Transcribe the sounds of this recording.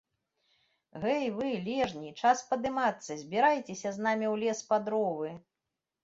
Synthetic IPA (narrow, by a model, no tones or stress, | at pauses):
ɣɛjvɨlʲɛʐnʲit͡ʂaspɐd̪ɨmat̪sːɐzʲbʲiɾajt͡sʲesʲɐznamʲiwlʲɛspad̪ɾɔvɨ